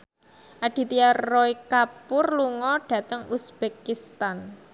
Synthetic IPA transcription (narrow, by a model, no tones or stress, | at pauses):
ʔaɖ̥i̤t̪iaɔikapʊrluŋɔɖ̥ä̤t̪əŋusb̥ekist̪an